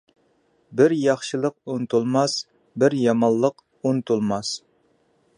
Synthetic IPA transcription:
bɪɾjɑχʃɨlˠəq̚unt̪ʰulˠmɑs | bɪɾjɑmɑlˠːəq | unt̪ʰulˠmɑs

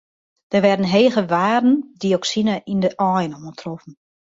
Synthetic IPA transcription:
d̥ərʋɛrdən̩ɦeːɣəʋaːrdn̩diɔksinaʔindəʔɔjnomətrofən̩

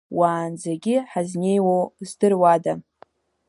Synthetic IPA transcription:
waːnd͡zaɡʲɪħaznʲejwowzdɨrwada

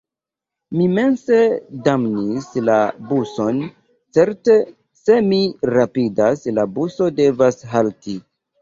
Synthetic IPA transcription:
mime̞nse̞damnislabuso̞n | t͡se̞ɾte̞ | se̞miɾapidaslabuso̞de̞vasɦalti

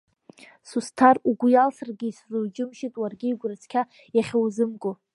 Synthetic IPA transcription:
sustʰaruɡʷʊjalsarɡʲiːszuwd͡ʒɪmʃitʼwarɡʲiːɡʷrat͡sʰkʲʰa | jaχʲowzɨmkʼo

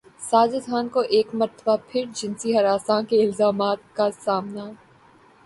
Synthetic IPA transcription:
saːd͡ʒəd̪ʱʰaːnkoʔeːkmɐɾt̪ʰəbapʰɪɾd͡ʒɪnsiɦɐɾaːsãːkeɪlzaːmaːt̪̚kasaːmna

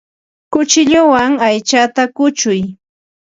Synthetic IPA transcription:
kʊt͡ʃɪʎʊwaŋajt͡ʃat̪akʊt͡ʃʊj

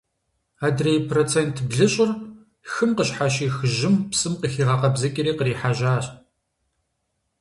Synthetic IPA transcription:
aːdrejpʰrot͡sʰeːntʰbɮɨɕʼɪr | xɨmqəɕħaʃiːxɨʒɪmpsɨmqəxiːʁɐqɐbzɐkʲʼɪɾiːqəriːħaʒaːɕ

